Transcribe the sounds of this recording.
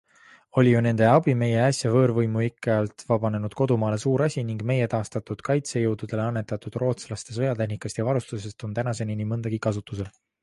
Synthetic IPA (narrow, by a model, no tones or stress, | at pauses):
o̞lʲijune̞nd̪̥e̞ɑbime̞je̞ɑsjɑvɤ̞ːɾvɤjmuikːˑɑjɑlt̪vɑb̥ɑne̞nud̪̥̚ko̞d̪umɑːle̞suːɾɑsʲiniŋɡ̥me̞je̞t̪ɑːst̪ɑt̪ud̪̥kɑjt̪se̞jɤwd̪̥ud̪̥e̞leɑnːe̞t̪ːˑɑt̪ːud̪̥ro̞ːt̪slɑst̪e̞s̬ɤjɑt̪e̞ɦnikːˑɑst̪jɑvɑɾust̪use̞st̪o̞nt̪ænɑse̞ninimɤnd̪̥ɑɡ̥ikɑs̬ut̪ːˑuse̞l